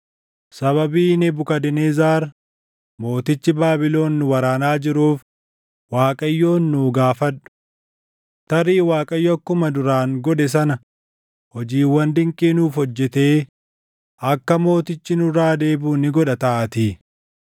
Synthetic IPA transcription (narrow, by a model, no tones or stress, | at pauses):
sɐβɐbiːnɛbʊkɐd̪ɪnezaːɾ | mo̞ːt̪ɪt͡ʃːɪbaːbɪlo̞ːnːʊwɐɾaːnaːd͡ʒɪɾuːf | waːkʼɐjːo̞ːnːuːɡaːfɐᶑʊ̥ | t̪ɐɾiːwaːkʼɐjːɔɐkːʊmɐd̪ʊɾaːŋɡɔd̪ɛs̬ɐnɐ | hɔd͡ʒiːwɐnd̪ɪŋkʼiːnuːfhɔd͡ʒːɛt̪e̞ː | ɐkːɐmo̞ːt̪ɪt͡ʃːɪnʊraːd̪e̞ːbuːnɪɡɔᶑɐt̪ɐʔɐt̪iː